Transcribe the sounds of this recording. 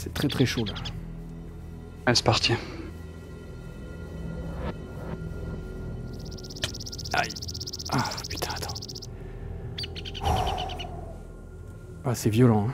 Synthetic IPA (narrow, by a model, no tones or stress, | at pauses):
sɛt̪χɛt̪χɛʃola | ɛlsə̥paʁt̪ʰjɛ̃ | a̰japy̥t̪ʰɛ̥̃at̪ʰɑ̥̃ | asɛvjɔlɑ̃ɛ̃